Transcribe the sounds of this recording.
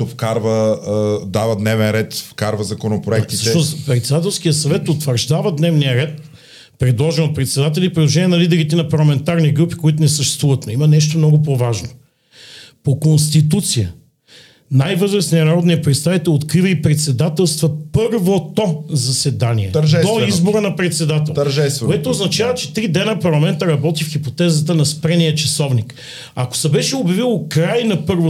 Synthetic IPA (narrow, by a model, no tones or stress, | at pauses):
t̪ofkaɾvə | d̪avəd̪nɛvɛnɾɛt̪fkaɾvəzɐkonopɾoɛk̚t̪isəʃɛɔpɾɛt̪sɛd̪at̪ɛlˠsk̟ijəsɐvɛt̪ot̪vəɾʒd̪avəd̪nɛvnijəɾɛt̪̚ | pɾɛd̪lˠɔʒɛnot̪̚pɾɛt̪sɛd̪at̪̬ɛlʲipɾid̪lˠoʒɛnʲiɛnɐlid̪ɛɾit̪ɛnɐpɐɾlˠɐmɛnt̪aɾniɡɾupi̥koit̪ʊnɛsəʃt̪ɛ̥st̪vuvət̪noimɐnɛʃ̬t̪omnɔɡʊp̬ovaʒno | pokonst̪it̪ut̪sijə | najvɤzɾəsninɐɾɔd̪niəpɾɛt̪st̪avit̪ɛlˠot̪kɾivəipɾɛt̪sɛd̪at̪ɛlˠst̪vəpɤɾvot̪ozɐsɛd̪aniɛ̰ɛoizboɾənɐpɾɛt̪sɛd̪at̪ɛlˠʒkoɛt̪oːznɐt͡ʃavət͡ʃɛt̪ɾid̪ɛnəpɐɾlˠɐmɛnt̪əɾɐbɔt̪ifxipot̪ɛzət̪ənɐspɾɛnijət͡ʃɐsɔvnik | ako̥sɐbɛʃɛobjɐvilˠokɾajnɐpɤɾvo